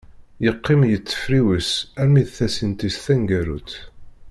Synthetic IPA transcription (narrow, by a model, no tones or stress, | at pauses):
jəqːɪmjət͡sːə̥fɾiwəsæmiðθæsint̪isθæŋɡæɾṵt̪